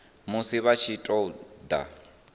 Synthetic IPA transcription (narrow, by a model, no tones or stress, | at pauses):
musiβat͡ʃʰitʼɔda̰